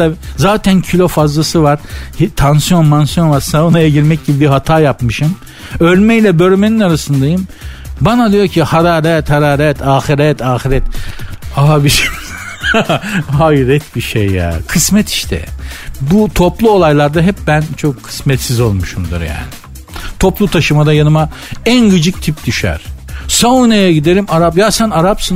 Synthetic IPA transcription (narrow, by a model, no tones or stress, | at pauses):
azaːt̪ʰæncʰilʲo̞fazlˠasɯvaɾ̥hit̪ʰansijo̞nmansjo̞nvaɾsaonaeɟiɾmɛc̚ɟibibiɦat̪ʰaːjapmɯʃɯm | ølʲmɛjlʲɛbøɾmeninaɾasɯnd̪ajɯmbanad̪ijoɾcʰihaɾaːɾɛt̪haɾaːɾɛt̪ʰaːxiɾɛt̪ʰaːxiɾɛt̪̚abiʃ | ɦajɾɛt̪̚biʃejːa̰ːkʰɯsmɛt̪ʰi̥ʃt̪ʰɛ̰but̪ʰo̞plˠuo̞lˠajlˠaɾd̪aɦɛp̚bænt͡ʃʰo̞kʰːɯ̥smɛt̪sizo̞lˠmuʃund̪ɯ̰ɾja̰ːnɪ | t̪ʰo̞plˠut̪ʰaʃɯmad̪ajanɯma | ænɡɯd͡ʒɯk̚t̪ʰip̚d̪yʃæ̰ɾ̥saunejɛɟid̪e̞ɾimaɾapjasænaɾapsɯn